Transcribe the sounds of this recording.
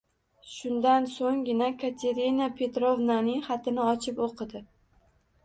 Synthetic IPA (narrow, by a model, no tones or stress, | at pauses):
ʃʊnd̪ansoŋɡʲɪnakʰat̪ʰe̞ɾinapʰe̞t̪ɾovnanɪŋχat̪ʰɪnɪɒt͡ʃʰɪpoqʰɨd̪ɪ